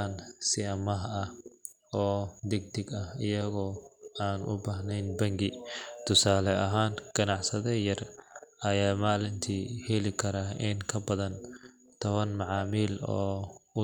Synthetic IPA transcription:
ansɪɐmɐɦɐh | ɔːd̪ɪɡ̚d̪ɪɡɐhɪjɐɣɔːaːnʔʊ̰baːhnɛjnbɐŋɡɪt̪ʰʊsaːlɛɐɦaːnɡ̥ɐnɑʕsɐðɛjɐrɐjaːmaːlɪnt̪ʰiːhɛlɪkʰɐɾaɪŋkʰɐbɐðɐn | t̪ʰɔβɐnmɑʕɑːmiːlɔ̰ːʊ

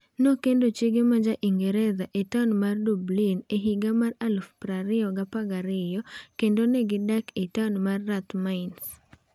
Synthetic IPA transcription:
nokendot͡ʃeɡemad͡ʒaʔiŋɡeɾeðaʔetanmardublineɦiɡamaralfpɾaɾɪɔɡapaɡaɾɪjɔkendonɛɡɪdaketanmarːat̪maɪns

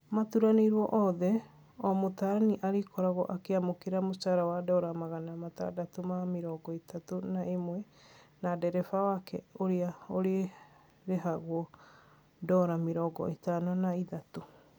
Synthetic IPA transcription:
matuɾaneɾwɔʔɔðɛ | ɔmotaɾaniʔaɾekɔɾaɣɔ̰ʔakeamokeɾamot͡ʃaɾawadɔɾamaɣanamata̰datomameɾɔɡɔetatonaemwɛ | nadɛɾɛfawakɛ̰oɾeaoɾee | ɾeɦaɣwɔ | dɔɾameɾɔɡɔ̰etanɔnaiðato

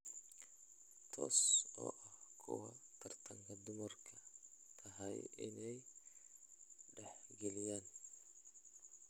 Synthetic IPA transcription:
t̪ʰɔ̰ːsɔ̰ːʔɐhkʰʊ̰wɐt̪ʰɐrt̪ʰɐŋkʰɐd̪ʊmɐrkʰɐt̪ʰɐɦɐjɪ̰nɛj | ɖɛħɡɛlɪjaːn

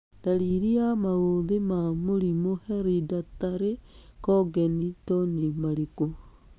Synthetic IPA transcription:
d̥aɾiɾiamaoðemamoɾimoheɾidataɾekoɡenitonimaɾiko

